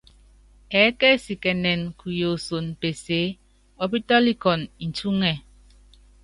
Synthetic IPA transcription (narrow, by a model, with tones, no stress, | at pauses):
ɛ˨˦ke˦˨si˨kɛ˨nɛ˨nku˨jo˨so˨npe˨se˦ | ɔ˦pi˦t̪a˦li˦ɡɔ˨ni˨nt͡ʃu˦ŋɛ˨